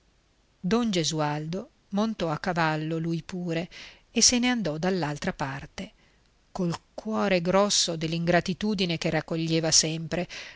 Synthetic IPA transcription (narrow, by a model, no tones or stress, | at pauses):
d̪ɔnd͡ʒezuald̪o | mont̪ɔakːavalːolujpuːɾeː | seneand̪ɔd̪alːalt̪ɾapart̪e | kolkwɔːɾeɡɾɔsːod̪elːiŋɡɾat̪it̪uːd̪inekerakːoʎːeːvasɛmpɾe